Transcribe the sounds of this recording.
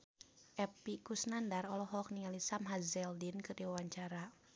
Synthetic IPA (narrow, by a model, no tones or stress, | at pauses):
ʔɛpikusnandarɔlɔɦɔk̚niŋalisamɦazɛldinkɨrdiwawaɲt͡ʃaɾa